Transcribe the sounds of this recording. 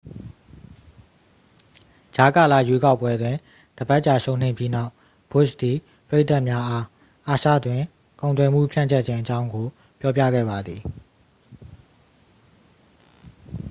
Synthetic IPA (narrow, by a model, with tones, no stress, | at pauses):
d͡ʑa˨ka˨la̰˦˨jwe˦ka˦ʊpːwɛ˦dwɪ̃˨ | d̥əba˦ʔt͡ɕa˨ʃõ˨ʊ̃n̥ẽ˨ɪ̃mpji˦na˦ʊ | b̥ʊ˦ʃd̪i˨ | pəɹe˦ɪʔt̪a˦ʔmja˦ʔa˦ | ʔa˨ʃa̰˦˨dwɪ̃˨ | kõ˨ʊnt̪wɛ˨m̥ṵ˦˨pʰjã̰˦˨ɲt͡ɕʰɛ˦ʔ̚t͡ɕʰɪ̃˦ʔət͡ɕã˦ʊ̃ŋɡo˨ | pjɔ˦pjä̰˦˨ɡɛ̰˦˨ba˨d̪ði˨